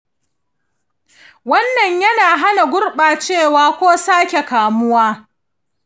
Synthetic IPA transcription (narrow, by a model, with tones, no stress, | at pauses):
wɐ˦nːɐ˨ɲjɐ˦naː˨ɦa˦na˨ɡʷʊ˦rɓaː˨t͡ʃeː˦˨waː˦kʷoː˦saː˦kʲe˨kaː˨mʊ˦waː˦